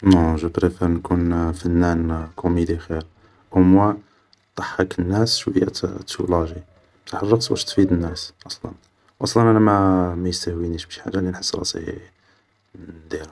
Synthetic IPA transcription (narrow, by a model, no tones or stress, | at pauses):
noʒəbɾifænkunfænːænkumid̪ixiɾ | ʔʊmwæ | t̪ˤːɑħːəkənːæsʃwəjːæ̰t̪ʰːulɑʒi | mt̪ʰaħərˤːɑqswæ̰ʃt̪fid̪ənːæsʔɑsˤlɑ̰n | wʔɑsˤlɑnʔænæmæmæjəst̪æhwiniʃbəʃħa̰ʒːalinħəsːɾˤɑ̰sˤḭ | nd̪iɾæ